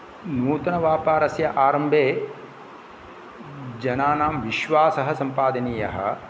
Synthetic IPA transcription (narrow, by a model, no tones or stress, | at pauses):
nuːt̪ɐnɐʋaːpaːɾɐsjɐʔaːɾɐmbʱeː | d͡ʒɐnaːnaːmʋiʃʋaːsɐɦɐsɐmpaːd̪ɐniːjɐɦɐ̰̆